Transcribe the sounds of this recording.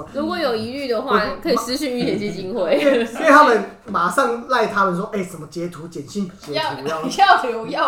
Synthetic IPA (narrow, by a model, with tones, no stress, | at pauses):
lu˧˥kwɔ˨˩˦jo˨˩ʊi˧˥ly˥˩d̪ə˩xwa˥˨kʰɤ˧˥i˨˩sɹ̩˥ɕy˥˧ny˥˩jɛ˨˩nt͡ɕjɛ˥˩t͡ɕi˥nxwe˥˩˨ɪ˥˧t̪ʰa˥mə˨˦n | ma˨˩sɑ˥˧ŋla˥˧ɪt̪ʰa˦˥mə˨nswɔ˥ʔe˥˩ɪʂə˨˩nmə˦t͡ɕjɛ˧˥t̪ʰu˧˥t͡ɕjɛ˨˩nɕi˥˩nt͡ɕjɛ˧˦u˧˥˨ɑ˥˩ʊt̪ʰi˧˥u˧jɑ˥˩